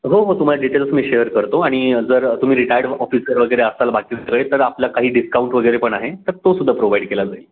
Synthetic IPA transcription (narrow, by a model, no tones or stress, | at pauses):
ɦoɦot̪um̤alaɖiʈelsmiːɕejəɾkəɾt̪oaɽ̃id͡zəɾt̪um̤iːɾiʈajəɾɖɔfisəɾʋəɡəjɾeəst̪alabakiːd͡zeʋəjt̪əɾapljakaɦiːɖiskauɳʈʋəɡəjɾepəɳaɦet̪əɾt̪osud̪ʱːapɾoʋaiɖkelad͡zael